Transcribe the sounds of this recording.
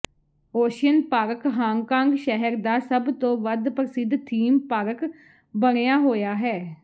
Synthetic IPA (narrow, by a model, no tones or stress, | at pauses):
oːʃɪjənpaːɾəkɦãːŋkãːŋɡʃɛɦəɾd̪aːsəbt̪õːʋəd̪pɾəsɪd̪t̪ʰiːmpaːɾək | bəɽ̃ejaːɦoːjaːɦɛː